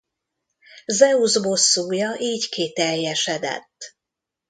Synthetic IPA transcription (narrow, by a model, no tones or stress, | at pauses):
zɛuzbo̞sːuːjɒʔiːckit̪ɛrjɛʃɛd̪ɛ̰t̪ː